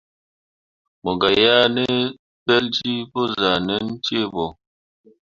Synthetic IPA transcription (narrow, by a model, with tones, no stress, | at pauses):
mo˨ɡa˨ja˦ne˦ | pɛ˦ld͡ʒi˦po˦za˨nɛ˦n̩˦t͡ʃe˦bɔ˨